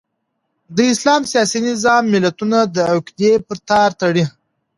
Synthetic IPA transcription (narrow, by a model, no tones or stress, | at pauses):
d̪əɪslɑmsijɑsinɪzɑmːɪlat̪unad̪əakd̪epəɾt̪ɑɾt̪aɽi